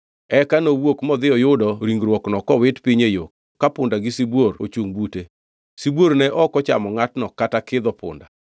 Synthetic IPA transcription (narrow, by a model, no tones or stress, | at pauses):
ɛkanowwokmɔd̪ɪɔjʊdɔɾiŋɡɾwɔknɔkɔwɪtpiɲejok | kːapʊndaɡɪsibworo̰t͡ʃuŋbute | sibwoɾnɛʔɔkɔt͡ʃa̰mɔŋatnɔkatakɪd̪ɔpʊ̰nda